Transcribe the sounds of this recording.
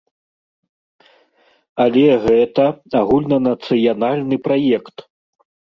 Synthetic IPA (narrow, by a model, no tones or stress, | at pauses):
ɐlʲɛɣɛt̪ɐaɣulʲnɐnɐt̪sɨjanalʲnɨpɾajɛkt̪